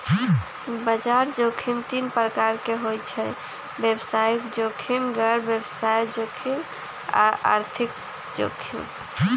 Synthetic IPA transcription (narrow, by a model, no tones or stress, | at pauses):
bəd͡ʒaɾd͡ʒokʰimt̪inpɾəkaɾkeɦojt͡ʃʰɛ | bebsajkd͡ʒokʰimɡəɾbebsajd͡ʒokʰim | a̰ʔa̰ɾt̪ʰik | d͡ʒo̰kʰḭm